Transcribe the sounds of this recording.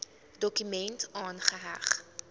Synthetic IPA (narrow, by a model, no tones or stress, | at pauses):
dɔkymɛntɑːnχəɦæχ